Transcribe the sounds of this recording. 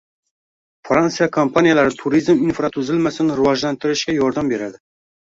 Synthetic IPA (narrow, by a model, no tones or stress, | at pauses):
fɾɑnsɨjɑkʰompʰɑnijalˠæɾɪt̪ʰuɾizminfɾɑt̪ʰuzɪlmæsɪnɪɾɨwɑʒlænt̪ʰɪɾɪʃkʲɛjɔɾd̪ɑmbeɾæd̪ɪ